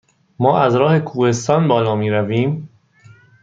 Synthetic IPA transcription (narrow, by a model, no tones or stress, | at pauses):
mɒːʔæzɾɒːhe̞kʰuːhe̞st̪ɒːnbɒːlɒːmiːɾæviːm